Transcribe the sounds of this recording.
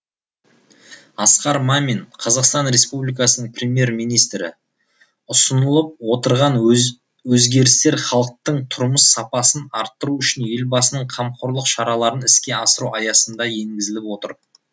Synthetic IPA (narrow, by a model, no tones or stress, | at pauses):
ɑsqɑɾmɑminqʰɑzɑqst̪ɑnɾe̞spublijkɑsənəɴprʲe̞mʲje̞ɾmijnijst̪ɾɪ̰ | ʊsənəlˠəp̚wo̞t̪əɾʁɑn | wɵzɡʲe̞ɾɪst̪e̞ɾχɑlˠəq̚t̪əɴt̪ʰʊɾməsːɑpɑsənɑɾt̪ːəɾuʏʃɪnje̞lbɑsənəɴqʰɑmqʰoɾlˠəqʃɑɾɑlˠɑɾənɪskʲe̞ɑsəɾuɑjɑsənd̪ɑje̞ŋɡʲɪzɪlɪpwo̞t̪ə̰ɾ